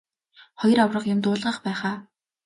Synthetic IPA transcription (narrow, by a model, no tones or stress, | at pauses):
χɔj̆rawrə̆qjʊmt̪ʊːɮʁə̆χpæːχaː